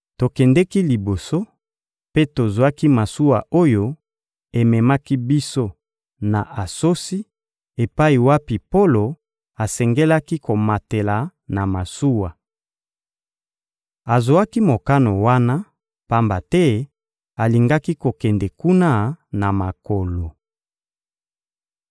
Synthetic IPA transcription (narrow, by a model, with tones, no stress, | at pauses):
to˨kɛ˨ndɛ˦ki˦li˨bo˨so˦ | pe˦to˨zwa˦ki˦ma˨su˦wa˨ʔo˦jo˦ | e˨mɛ˨ma˦ki˦bi˦so˦ | na˨ʔa˨so˦si˦ | e˨pa˦i˨wa˦pi˨po˦lo˨ | a˨sɛ˨ŋɡɛ˦la˦ki˦ko˨ma˨te˨la˨na˨ma˨su˦wa˨ | a˨zo˨a˦ki˦mo˨ka˦no˨wa˦na˦ | pa˦mba˨tɛ˦ | a˨li˨ŋɡa˦ki˦ko˨kɛ˨ndɛ˨ku˦na˦na˨ma˨ko˨lo˨